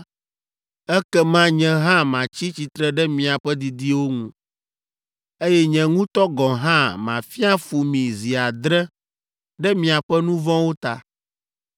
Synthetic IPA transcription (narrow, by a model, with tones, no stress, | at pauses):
ɛ˦kɛ˦mã˦ɲɛ̃˨ɦã˦mã˨t͡ɕi˦t͡ɕi˨t̪ɾɛ˦ɖɛ˦mĩ˨a˨ɸɛ˦d̪i˨d̪i˦wo˦ŋũ˦ | e˦jɛ˦ɲɛ̃˨ŋũ˦t̪ɔ˦ɡɔ̃˨ɦã˦mã˨fi˦a˦fu˨mĩ˨zi˨a˨d̪ɾɛ˦ | ɖɛ˦mĩ˨a˨ɸɛ˦nũ˦vɔ̃˦wo˦t̪a˨